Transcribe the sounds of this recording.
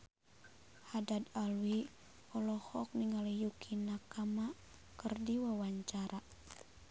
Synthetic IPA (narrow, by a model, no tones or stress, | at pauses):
hadad̪alwi | ɔlɔhɔk̚niŋalijukʰinakama | kərdiwawaɲt͡ʃaɾa